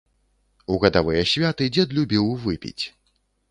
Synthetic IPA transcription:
uɣɐd̪avɨjɐsʲvʲat̪ɨd͡zʲɛd̪lʲubʲiwvɨpʲḭt͡sʲ

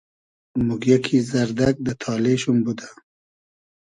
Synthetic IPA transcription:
muɡjakʰizaɾd̪aɡ̚d̪ət̪ʰɑleʃumbud̪a

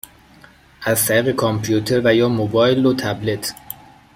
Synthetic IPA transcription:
ʔæzt̪ʰæɾiːɣe̞kʰɔmpʰijut̪ʰeɾvæjɒːmobɒːjlot̪ʰæble̞t̪ʰ

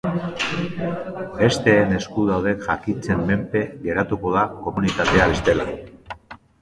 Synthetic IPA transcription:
be̞st̪e̞ːne̞skuðawðe̞kʝakint͡se̞mːe̞mpe̞ɣe̞ɾat̪uko̞ð̞ako̞munit̪at̪e̞aβe̞st̪e̞la

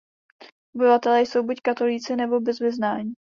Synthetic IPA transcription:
ʔobɪvat̪ɛlɛːjso̞wbuckat̪o̞liːt͡sɪnɛbo̞bɛzvɪznaːɲiː

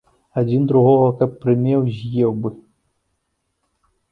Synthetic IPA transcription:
ad͡zʲind̪ɾuɣɔɣɐkɐpːɾɨmʲɛwzʲjɛwbɨ

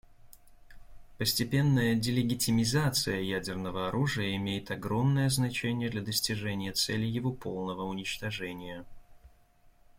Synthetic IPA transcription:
pəsʲtʲɪpʲe̞nːəjədʲɪlʲɪɡʲɪtʲɪmʲɪzat̪sɨjəjædʲɪrnəvəɐɾʔuʐɨjəɪmʲejɪt̪ɐɡɾo̞mnəjəznɐt͡ɕenʲɪjəd̪lʲɐd̪əsʲtʲɪʐɛnʲɪjət̪sɛlʲɪjɪvo̞pʰo̞lˠnəvəʊnʲɪt͡ɕt̪ɐʐɛnʲɪjə

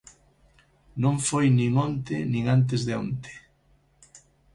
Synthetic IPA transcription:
nõŋfojnĩŋont̪ɪnĩŋant̪̬ɪzðeont̪e̥

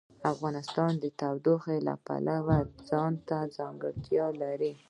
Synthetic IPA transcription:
afɣɑnɪst̪ɑnd̪ət̪awd̪oxela̰pa̰lawad͡zɑnt̪azɑŋɡəɽt̪jɑlaɾi

